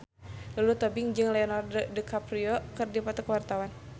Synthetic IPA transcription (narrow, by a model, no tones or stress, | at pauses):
lalut̪ɔbɪŋd͡ʒɨŋlɛɔnarddəkapɾiɔkɨrdipat̪əkəwart̪awan